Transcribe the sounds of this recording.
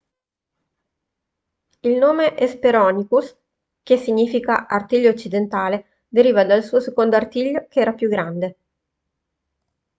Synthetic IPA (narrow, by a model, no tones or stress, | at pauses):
ilnoːmeʔespeɾɔːnikus | k̟esːiɲiːfikaart̪iʎːoːt͡ʃːid̪ent̪aːle | d̪eɾiːvad̪alsuːosekond̪oart̪iʎːokeɛːɾapjuɡɾand̪e